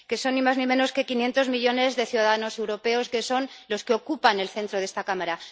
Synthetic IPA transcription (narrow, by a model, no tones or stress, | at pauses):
ke̞so̞nːimaznĩmẽ̞no̞ske̞kinje̞nt̪o̞zmiʎo̞ne̞zðe̞θjuðaðano̞se̞wɾo̞pe̞o̞ske̞so̞nlo̞skeo̞kupane̞lθe̞nt̪ɾoðe̞st̪akamaɾa